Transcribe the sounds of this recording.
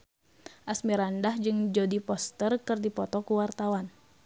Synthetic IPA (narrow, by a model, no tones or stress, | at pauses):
ʔasmiɾandahd͡ʒɨŋd͡ʒɔdipɔst̪ərkɨrdipɔt̪ɔkuwart̪awan